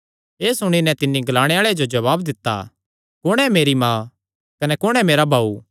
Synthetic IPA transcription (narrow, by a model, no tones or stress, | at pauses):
eːsʊɽ̃inɛ̃t̪ɪnːiɡɐlaːɽ̃eaːɭeed͡ʒod͡ʒɐβaːbd̪ɪt̪ːa̰ | kʊɽ̃ɛmeːɾimãː | kɐnɛkʊɽ̃ɛmeːɾabʱaːu